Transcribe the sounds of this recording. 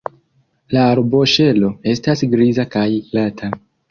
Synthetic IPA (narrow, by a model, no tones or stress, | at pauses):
laːɾbo̞ʃe̞lo̞e̞stasɡɾizakajlatʰa